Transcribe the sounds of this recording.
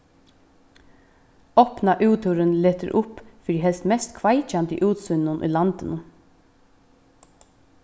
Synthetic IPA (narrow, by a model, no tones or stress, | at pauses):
ɔpnaʔʉːt̪ʰʏɾənleːt̪əɾʔʊpfiɾiɦɛlst̪mɛst̪kʰʋaɪt͡ʃant̪ə̰ʔʉːt̪sʏnːʊnʔʏ̰ːlɑnt̪ɪnʊn